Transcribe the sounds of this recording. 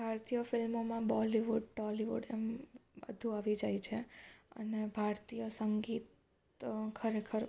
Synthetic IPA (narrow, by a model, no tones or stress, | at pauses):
bʱaɾt̪ijəfɪlmomãbɔliʋuɖ̚ʈɔliʋṵɖembə̰d̪ʱũaʋid͡ʒajt͡ʃʰeə̰nebʱaɾt̪ijəsəŋɡit̪ | kʰəɾekʰəɾ